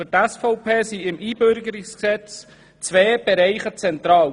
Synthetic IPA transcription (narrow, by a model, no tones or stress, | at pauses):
fytæsfɔʊpʰeːsiɪmʔiːbøɾɡəɾɪksksɛt͡s | t͡sʋeːb̥ɛɾɛɪχət͡sɛnt̪ɾɑːw